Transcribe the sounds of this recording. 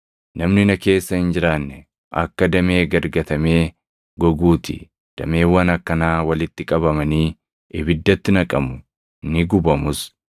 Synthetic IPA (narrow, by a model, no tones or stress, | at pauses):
nɐmnɪnɐke̞ːsːɐhɪnd͡ʒɪɾaːnːɛ | ʔɐ̰kːɐd̪ɐme̞ːɡɐɾɡɐt̪ɐmeː | ɡɔɡuːt̪ɪ̰ | d̪̥ɐmeːwːɐnɐkːɐnaːwɐlɪt̪ːɪkʼɐbɐmɐniː | ʔɪbɪd̪ːɐt̪ːɪnɐkʼɐmʊ | nɪɡʊbɐmʊs